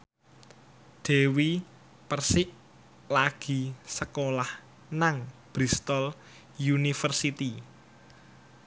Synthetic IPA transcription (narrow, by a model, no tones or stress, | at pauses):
ɖ̪̥e̤wi | pərsɪʔ | laɡ̥i̤səkolah | naŋb̥ɾist̪ɔl | junifərsit̪i